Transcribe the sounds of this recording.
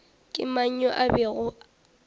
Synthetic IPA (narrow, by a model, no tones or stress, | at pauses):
kʼɪmaɲ̩ɲɔʔabɛɣʊ